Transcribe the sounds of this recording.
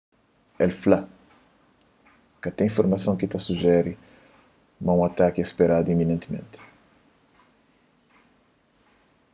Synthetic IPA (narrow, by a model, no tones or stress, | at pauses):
ɛlfla | kɐt̪ẽĩfoɾmɐsɐ̃w̃kit̪asuʒɛɾi | maũat̪akɪespeɾad̪uiminẽnt̪imḛ̃nt̪